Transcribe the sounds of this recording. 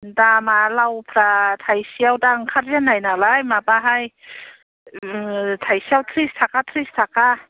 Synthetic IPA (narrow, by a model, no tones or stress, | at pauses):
damalawpʰɾatʰajsiawdaŋkʰaɾjanːajnalajmabaɦaj | tʰajsiawtʰɾistʰakʰatʰɾistʰakʰa